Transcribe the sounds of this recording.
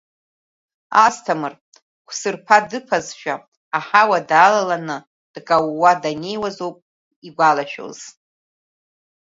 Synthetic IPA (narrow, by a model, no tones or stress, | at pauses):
astʰamɨr | kʷʰsɨrpʰadɨpʰazʃᶣaː | ħawadaːlalanɨ | d̥kʼawːadane̞jwazowpʼ | iɡʷalaʃᶣo̰z̥